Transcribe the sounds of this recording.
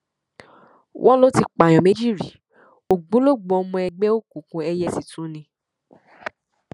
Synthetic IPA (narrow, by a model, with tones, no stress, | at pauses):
wʔɔ̃˦lo˦ti˧k͡pa˨j̃ɔ̃˨mẽ˨˦d͡ʒi˦˨ɾi˨ | o˨ɡ͡bũ˨˦lo˦˨ɡ͡bõ˨ɔ˧˦mɔ̃˧ɛ˧ɡ͡bɛ˦o˦ku˨kũ˧˦ɛ˧jɛ˦si˨tũ˨˦nĩ˧